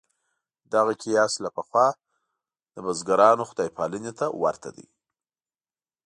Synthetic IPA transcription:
d̪aɣakʰijɑslapəxwɑ | d̪əbazɡaɾɑnoxʊd̪ɑjpʰɑlənet̪ʰawa̰ɾt̪ʰa̰d̪ḭ

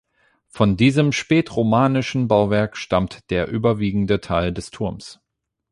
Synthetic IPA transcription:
fɔndiːzəmʃpɛːtʁomaːnɪʃn̩baʊvɛɐkʃtamtd̥eːɐʔyːbɐviːɡŋ̩dətʰaɪldɛstʰʊɐms

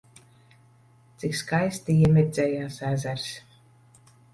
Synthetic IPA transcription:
t̪sikskajst̪ʲijimʲiɾd̪zʲɛːjaːsæzæɾs

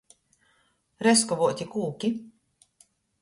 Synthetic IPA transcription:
ɾɛskɔvuɔt̪ʲikuːkʲi

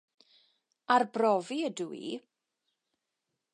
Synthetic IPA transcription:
arbrɔviəduḭ

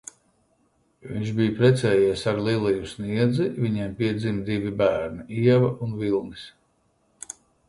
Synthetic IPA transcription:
vḭɲʲt͡ʃbijupɾɛt̪sɛːjiɛsaɾlˠilˠijusniɛd̪zivʲiɲimpiɛd̪zimd̪ivibæːɾniʔiɛvaunvilˠnis

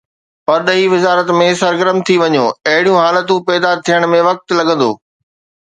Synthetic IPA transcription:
pɐɾɗɐiʋɪzaːɾət̪mẽsɐɾɡəɾəmt̪ʰiʋɐɲoːɐɦɪɽijũɦaːlət̪ũpɛːd̪at̪ʰijəɽ̃mẽʋɐk̚t̪lɐɡə̃nd̪o̰ː

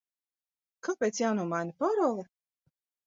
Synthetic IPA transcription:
kapʲeːt̪sjaːnuɔmajnʲapɔɾɔlˠɛ

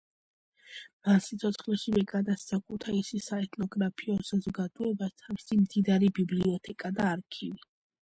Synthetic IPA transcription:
masit̪sʰɔt̪sχlɛʃivɛɡad̪ast̪sʰakʰut̪ʰaisisaɛt̪ʼnɔɡɾapʰiɔsazɔɡad̪̥ɔɛbat̪ʰavisimd̪id̪aɾibibliɔt̪ʰɛkʼad̪aːɾkʰivi

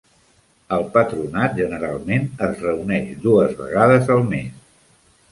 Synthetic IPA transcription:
əlˠpət̪ɾunat̪̚ʒənəɾalˠmenəzrəunɛʃd̪uəzβə̰ɣaðəzəlˠmes

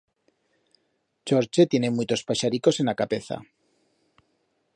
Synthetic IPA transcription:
t͡ʃoɾt͡ʃet̪je̞ne̞mut̪o̞spaʃaɾiko̞se̞nakape̞θa̰

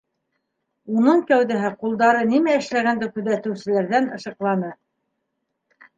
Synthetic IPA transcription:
unɤɴkæwðɘɦɘqulˠd̪ɑɾɤnimæɘ̆ʃlæɣænd̪ɘkʉ̆ðæt̪ɘ̆wsɘ̆læɾðænɤ̆ʃɤ̆qlˠɑnɤ

